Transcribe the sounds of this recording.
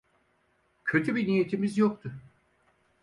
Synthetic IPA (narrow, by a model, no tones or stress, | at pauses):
cʰø̞t̪ʰybinije̞t̪ʰimizjok̚t̪ʰʊ